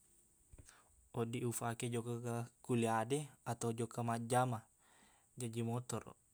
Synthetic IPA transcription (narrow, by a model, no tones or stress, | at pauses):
ɔdiufaked͡ʒɔkakakuliadɛat̪awd͡ʒɔkamad͡ʒama | d͡ʒad͡ʒimɔt̪ɔɾɔ̰